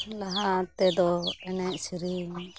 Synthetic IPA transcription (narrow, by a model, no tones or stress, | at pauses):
laɦat̪ɛd̪ɔɛnɛʔsiɾi